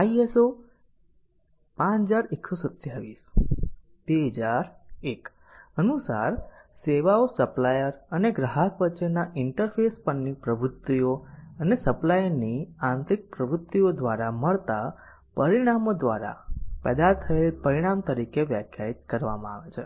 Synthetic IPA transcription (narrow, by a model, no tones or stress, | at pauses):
aieso | pãt͡ʃd͡ʒaɾeksosət̪jaɾʋis | b̥eɦəd͡ʒaɾek | ənusa̰ɾseʋaosəplajəɾəneɡɾaɦəkʋətːʃenaʔɪɳʈəɾfʰespəːipɾəbɾʊt̪ʋijoənesəplajəɾniãnt̪ɾik̚pɾəbɾʊt̪ːiod̪ʋaɾaməɭt̪a | pəɾiɽ̃amod̪ʋaɾa̰pɛ̰d̪at̪ʰəelpəɾiɽ̃amt̪əɾikeʋjəkʰjait̪kəɾʋa̰mãaʋet͡ʃʰe